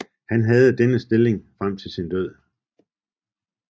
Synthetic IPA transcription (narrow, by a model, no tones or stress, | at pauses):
hænɦɛð̞̩ˠəd̥enəsd̥e̝le̝ŋfʁam̰t͡sʰe̝lsind̥øð̰ˠ